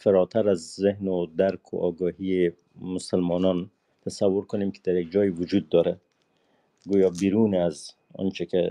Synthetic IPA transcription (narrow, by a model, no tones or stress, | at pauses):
faɾɔt̪ʰaɾazːehnʊd̪aɾkʰʊ̰ʔɔɡɔhie | mʊsalmɔnɔn | t̪ʰasawːʊɾkʊnemkɪ̥d̪aɾjaɡ̚d͡ʒɔjiwʊd͡ʒud̪̚ːɔɾɛ | ɡujɒbiɾunaz | ɔ̰nt͡ʃɪke